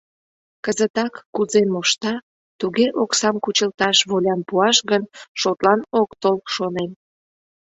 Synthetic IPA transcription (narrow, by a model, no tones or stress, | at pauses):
kəzət̪ɑkːuzenmoʃt̪ɑ | t̪uɣeʔoksɑmkut͡ɕəlt̪ɑʃβolʲɑnpuɑʃɣənʃot̪lɑnokt̪olkʃonen